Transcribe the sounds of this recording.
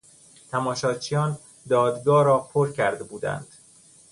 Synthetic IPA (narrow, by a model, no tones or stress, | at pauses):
t̪ʰæmɒːʃɒːt͡ʃʰijɒːn | d̪ɒːd̪ɡɒːɾɒːpʰoɾcʰæɾd̪ebuːd̪æ̰nd̪̥